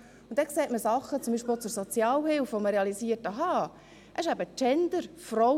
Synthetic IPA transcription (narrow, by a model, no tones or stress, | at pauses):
ʊntd̥̪ɛkseːtməsɑχət͡sʊmbiːʃpelt͡suɾsɔt͡sjɑːlhɪlfʋoməɾeɑlisiətəɦɑː | ʔɛɪʃæbət͡ʃɛnd̪əɾfrɔ